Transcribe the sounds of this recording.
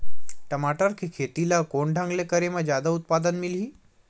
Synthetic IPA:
ʈəmaʈəɾkʰikʰet̪ilakoɳɖʱãŋɡlekəɾemad͡ʑjad̪aut̪̚pad̪ənmilɦiː

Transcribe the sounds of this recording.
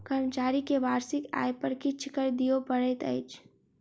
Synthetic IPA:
kəɾmət͡ʃaːɾikeʋaːɾsɪka̰jpəɾkɪt͡ʃʰkəɾd̪ijopəɽɛt̪ə̰ɪt͡ʃʰ

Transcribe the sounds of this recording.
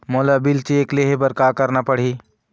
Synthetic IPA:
moːlabɪlt͡ʃieːkleɦebəɾkaːkəɾnapəɽ̤iː

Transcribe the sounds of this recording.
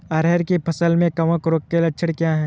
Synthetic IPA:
ɐːɾɛːɾkepʰɐsəlmẽkɐʋəkɾoːkːelɐːt͡ʃʰəɽkjaːɦɛː

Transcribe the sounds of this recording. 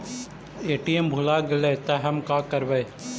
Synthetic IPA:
eːʈiembʱʊlaːɡɪlet̪ɐɦɐmkaːkɐɾʋɐj

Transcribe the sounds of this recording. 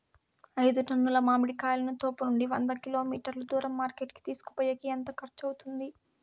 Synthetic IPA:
ɐjd̪uʈɐnːulɐmaːmiɽikaːjlɐnut̪oːpɐnuɳɖiʋɐnd̪ɐkilo̞ːmiːʈɐɾlud̪uːɾɐmːaːɾkeːʈki̥t̪iːsu̥ku̥poːjɐkiɐnt̪ɐkʰɐɾt͡ʃɐwt̪und̪i

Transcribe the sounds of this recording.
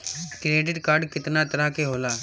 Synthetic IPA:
kɾeːʈ̬ɪɖkaːɾɖkɪt̪naːt̪əɾaːkeɦoːlaː

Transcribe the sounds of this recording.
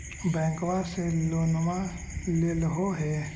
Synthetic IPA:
bɛ̃ːkwaseloːnma | lelɦoɦɛ

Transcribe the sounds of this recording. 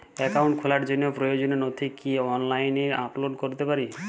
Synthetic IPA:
ɛkawɳʈkʰolaɾd͡ʑonːopɾojod͡ʑoneɾnot̪ʰikiɔnlajneaploɖkoɾt̪epaɾi

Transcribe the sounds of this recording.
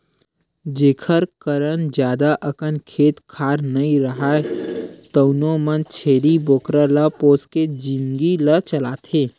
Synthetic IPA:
d͡ʒeːkʰəɾkəɾənd͡ʒjaːd̪aʔəkənkʰeːt̪kʰaːɾnəĩɾəɦaet̪əʊnomənt͡ʃʰeːɾiboːkɾələpoːsked͡ʒĩŋɡilət͡ʃəlaːt̪ʰeː

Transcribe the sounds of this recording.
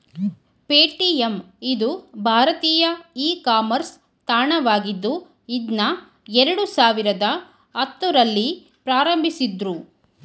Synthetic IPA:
peːʈiem | id̪ubʱaːɾɐt̪iːjɐiːkaːmɐɾs | t̪aːɳɐʋaːɡid̪ːu | id̪nɐ | ɛɾɐɽusaːʋiɾɐd̪ɐ | ɐt̪ːuɾɐlːi | pɾaːɾɐmbʱisid̪ɾu

